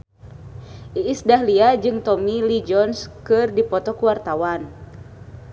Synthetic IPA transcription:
ʔiʔːsdaɦliad͡ʒɨŋt̪ɔmilid͡ʒɔnskɨrdipɔt̪ɔkuwart̪awan

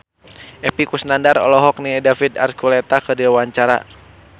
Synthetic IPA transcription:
ʔɛpikusnandaɾɔ̰lɔɦɔk̚nidafid̪a̰rkulɛt̪akədiawaɲt͡ʃaɾa̰

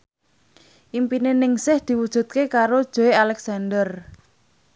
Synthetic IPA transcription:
ʔimpinenɪŋsɪhd̪̥i̤wud̥ʒ̥ṳt̪̚kekaɾod̥ʒ̥o̤ealɛksandər

